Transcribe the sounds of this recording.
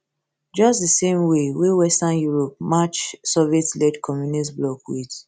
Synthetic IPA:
d͡ʒɔsdisẽmwewewɛstãnjuɹɔp̚mat͡ʃsɔvetlɛdkʰɔmjunisblɔkwid

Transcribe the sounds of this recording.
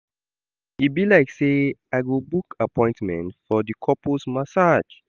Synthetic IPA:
ibilaɪkseaɡobukapʰɔ̃ɪ̃ntmɛ̰̃ntfɔdikʰɔposmasad͡ʒ

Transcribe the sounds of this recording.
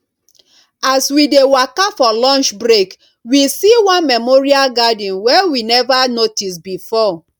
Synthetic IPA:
aswidewakafɔlɔ̃nt͡ʃbɹek | wisiwɔ̃nmɛmoɹialɡadĩnwɛwinɛvanotisbifɔ

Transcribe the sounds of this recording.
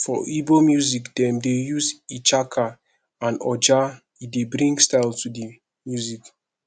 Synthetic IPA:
fɔ̰ʔibomjuzikdɛ̃mdejuzit͡ʃakʰa | ãnɔ̰d͡ʒa | idebɹĩŋɡstaɪltudi | mjuzik

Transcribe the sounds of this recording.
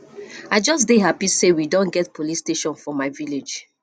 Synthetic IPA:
aɪd͡ʒɔs̬deɦapisewidõnɡɛtpʰolisteʃɔ̃nfɔmaɪviled͡ʒ

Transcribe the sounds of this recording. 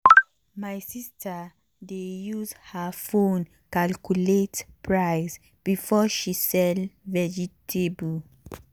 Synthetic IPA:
majsistʰa | dejuzhəfõn | kalkuletpʰɹajs | b̥ifɔʃisɛlvɛd͡ʒitʰebul

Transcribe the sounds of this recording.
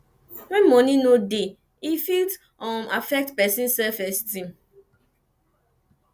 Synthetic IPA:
wɛ̃nmɔ̃ninode | ifilt | ɔmafɛk̚tpɛsĩnsɛlfɛstĩm

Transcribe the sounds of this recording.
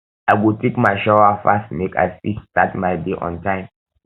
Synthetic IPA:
aɪwutʰekmaɪʃawafastmekʰa̰jsḭstatmaɪtbiʔɔ̰̃ntãɪ̃m

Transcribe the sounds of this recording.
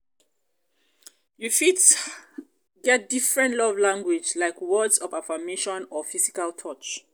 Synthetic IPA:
jufit | ɡɛt̚difɹɛ̃ntlɔvlãŋɡwid͡ʒlaɪkwɔdzɔvafameʃɔ̃nɔfizikaltʰɔt͡ʃ

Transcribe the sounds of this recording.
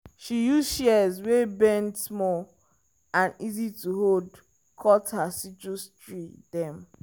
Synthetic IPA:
ʃijuzʃɛɛzwebɛ̃ndsmɔ | ãnizituɦod | kʰɔthasit͡ʃustɹidɛ̃m

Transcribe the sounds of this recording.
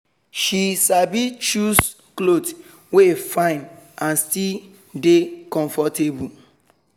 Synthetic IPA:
ʃisabit͡ʃus | klot | wefãɪ̃nãnstil | dekɔ̃ɱfɔtebu

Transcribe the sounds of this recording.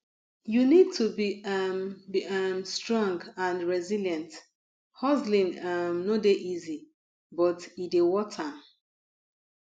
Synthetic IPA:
junid̚tʰubiambiamstɹɔ̃ŋɡãnɹɛziljãnt | hɔzlĩnamnodeʔizi | bɔtidewɔtʰa

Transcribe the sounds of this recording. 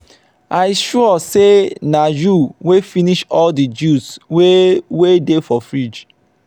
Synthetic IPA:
ʔaiʃɔɔsenajuwefiniʃɔldid͡ʒuswewedefɔfɹid͡ʒ

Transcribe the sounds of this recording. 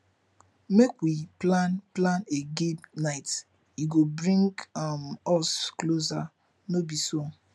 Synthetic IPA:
mekʷwiplanplaneɡebnaɪt | iɡobɾĩŋɡamɔskloza | nobiso

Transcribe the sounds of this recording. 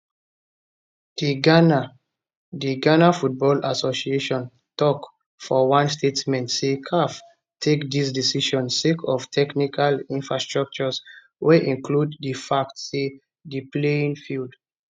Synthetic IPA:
d̥iɡana | diɡanafut̚bɔlasosieʃɔ̃n | tɔk | fɔwãnstʰetmɛ̃ntsekʰaf | tʰekdis̬disiʃɔ̃nsekʰɔftʰɛknikʰalĩnfɹastɹak̚t͡ʃɔs | weʔĩnkluddəfak̚tse | dipleĩŋfild

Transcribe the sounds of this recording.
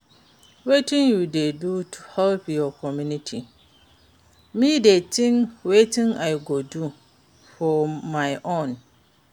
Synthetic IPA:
wetʰɪ̃ŋjudedutʰuhɛlpʰjɔkʰɔmjũnitʰi | mĩdetʰɪ̃ŋwetɪ̃ŋaɪɡɔdu | fɔmãɪʔõn

